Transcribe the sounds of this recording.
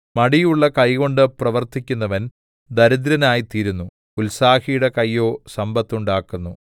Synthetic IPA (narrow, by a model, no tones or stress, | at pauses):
mɐɽijuɭːɐkɐjɣo̞ɳɖɨprɐʋɐrt̪ikʲːunːɐʋɐn | d̪ɐɾud̪ɾɐnaːjit̪iːɾunːu | ulsaːhijɽɐkɐjːo̞ːsɐmbɐt̪ːuɳɖaːkːunːu